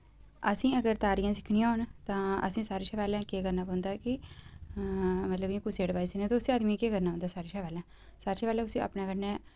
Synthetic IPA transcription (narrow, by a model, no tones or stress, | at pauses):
əsĩːəɡəɾt̪aːɾɪjãːs̬ɪkʰɳijãːʊnt̪ãːə̰sĩːsaːɾeːʃaːʋaːlẽːkeːkəɾnaːpɔ̃ːʊnd̪aːkɪ | mət̪ləbjẽːkʊseːɽɪʋaːisinẽːt̪õʊsĩːəd̪mĩːkeːkəɾnaːɦõnd̪aːsaːɾeːʃaːʋaːlɛ̃ː | saːɾʃeːʋaːlɛ̃ːʊsĩːʔə̰pɳẽːkəɾnɛː